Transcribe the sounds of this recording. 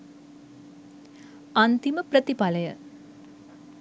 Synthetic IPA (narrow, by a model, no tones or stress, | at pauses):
ant̪iməpɾət̪ipaləjə